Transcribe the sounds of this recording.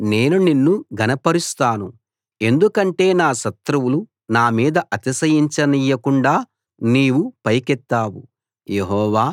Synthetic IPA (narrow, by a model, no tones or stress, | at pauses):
ne̞ːnuninːuɡʱɐnɐpɐɾust̪aːnu | e̞nd̪ukɐɳʈe̞ːnaːʃɐt̪ɾɐwulu | naːmiːd̪ɐʔɐt̪isɐjiɲt͡ʃɐnijːɐkuɳɖaː | niːwupɐjkɛt̪ːaːwṵ | je̞ɦɔːʋaː